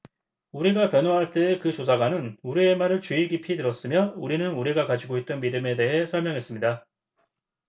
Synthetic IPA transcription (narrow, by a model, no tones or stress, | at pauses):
uɾiɡapjʌnɦoɦaɭt͈ekɯt͡ɕosʰaɡwanɯnuɾie̞maɾɯɭt͡ɕuiɡipʰitɯɾʌs͈ɯmjʌuɾinɯnuɾiɡakad͡ʑiɡoit̚t͈ʌnmidɯme̞de̞ɦe̞sʰʌɭmjʌŋɦe̞s͈ɯmɲida